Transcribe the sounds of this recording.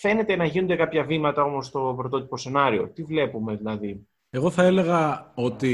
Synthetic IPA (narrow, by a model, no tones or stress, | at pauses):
fe̞ne̞t̪enɐʝinund̪e̞kɐpçɐvimɐt̪ɐo̞mo̞st̪o̞pɾo̞t̪o̞t̪i̥po̞se̞nɐɾio̞̰t̪ivle̞pume̞ðilɐði | e̞ɣo̞θɐe̞le̞ɣɐot̪i